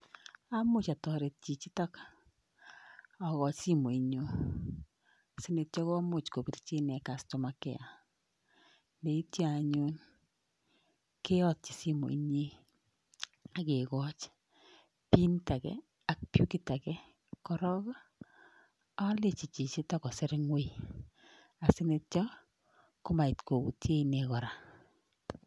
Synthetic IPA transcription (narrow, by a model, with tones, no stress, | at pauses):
a˦mʊ˦t͡ʃa˨tɔ˨ɾe˨t̚t͡ʃi˨t͡ʃi˦tɔ˦k | a˨kɔ˨t͡ʃsi˦mo˨i˨˦ɲo˦ | si˦ne˨t̚t͡ʃɔ˦kɔ˦mʊ˦˨t͡ʃko˨pi˨ɾt͡ʃi˦nɛ˨ka˨sto˨ma˨kɛ̰˦a˨ | nde˨i˦tja˨ɲu˦n | ke˦ɔ˦t̚t͡ʃi˨si˦mo̰˨i˦ɲe˦ | a˦ke˨kɔ˦t͡ʃ | pi˦nta˨kɛ̰˨ | a˨k̚pju˦ki˦ta˨kɛ˦ | kɔ˨ɾɔ˦ɡɔ˦ | a˦le˦t͡ʃi˨t͡ʃi˨t͡ʃi˦tɔ˦kɔ˨sɪ˦ɾɪ˦ŋwe˦˨ | a˨si˦ne˨tt͡ʃɔ˦ | kʊ˦ma˨i˨tko˨ku˨tje˦i˨nɛ˨kɔ˨ɾa˨